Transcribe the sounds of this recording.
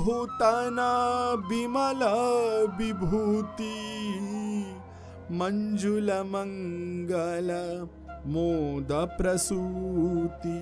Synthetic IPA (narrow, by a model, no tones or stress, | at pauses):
ut̪ɐnɐbimɐlɐbibʱut̪i | mɐɲd͡ʒulɐmɐŋɡɐlɐ | moːd̪ɐpɾɐsu | t̪i